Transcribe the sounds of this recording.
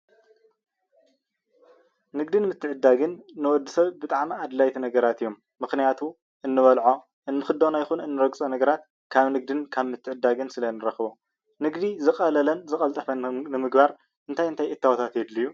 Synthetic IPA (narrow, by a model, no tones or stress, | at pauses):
nɨɡd̪ɨnmɨt̪ʰːɨʕɨd̪ːaɡɨnːɨwɔd̪ːisɐβbɨt̪ʼaʕmiad̪lajt̪ʰinɐɡɐɾat̪ɨjːomːɨxnijat̪ʰu | ʔɨnːɨβɐlʕo̞ | ʔɨnːɨxɨd̪ːonajxunɨnːɨɾɐɡsʼɐnɐɡɐɾat̪̚ | kʰaβnɨɡ̚d̪ɨnkʰaβmɨt̪ʰːɨʕɨd̪ːaɡɨnsɨlɐnɨɾɐxβo | nɨɡd̪izɨxʼɐlɐlɐnzɨkʼɐlt̪ʼɐfɐnnɨmɨɡbaɾ | ʔɨnt̪ʰajɨnt̪ʰajʔɨt̪ʰːawot̪ʰat̪jɛd̪lijːu